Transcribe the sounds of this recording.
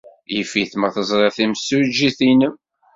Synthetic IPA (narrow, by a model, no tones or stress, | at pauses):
jifiθməʁθəzˤɾˤeʁθiməsːud͡ʒiθinə